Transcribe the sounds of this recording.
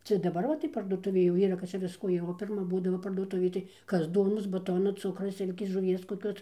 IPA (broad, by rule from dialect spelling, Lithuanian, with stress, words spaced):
ˈt͡sʲɛ dɐˈbɐr ʋɐ tɐɪ pɐrduɔˈtʊʋʲeː jɛʊ ˈiːrɐ kɐt ˈt͡ʃʲɛ ˈʋʲɪskoː jɛʊ oː pʲɪrˈmɐ ˈbuːdɐʋoː pɐrduɔˈtʊʋʲeːj tɐɪ ˈkɐs ˈduɔnoːs bɐˈtoːnɐ ˈt͡sʊkrɐ ˈsʲɪlʲkʲeːs ʒʊˈʋʲiɛs koːˈkʲoːs